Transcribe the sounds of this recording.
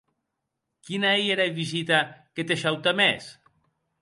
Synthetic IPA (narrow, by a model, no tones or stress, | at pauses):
kinaijeɾaeβizit̪aket̪eʃawt̪amɛs